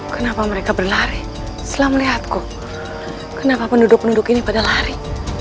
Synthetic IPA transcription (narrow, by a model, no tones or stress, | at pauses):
kənapaməɾekabərlaɾi | səlaməliɦat̪̚ku | kənapapəndudʊk̚pəndudʊkinipadalaɾi